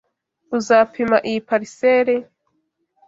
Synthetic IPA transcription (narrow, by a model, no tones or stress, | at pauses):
uzaːpʰimaʔijipaɾiseːɾe